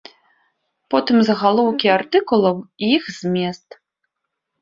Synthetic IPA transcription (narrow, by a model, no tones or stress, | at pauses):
pɔt̪ɨmzɐɣalˠɔwkʲiart̪ɨkulˠɐwijixzʲmʲɛst̪